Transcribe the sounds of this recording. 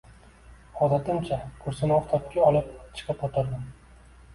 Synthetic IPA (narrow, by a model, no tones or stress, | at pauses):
ɒd̪at̪ʰɪmt͡ʃʰakʰʊɾsɪnɪɒχt̪ʰɒpkʲaɒlˠɪp̚t͡ʃʰɨ̥qʰɨpot̪ʰaɾd̪ɪm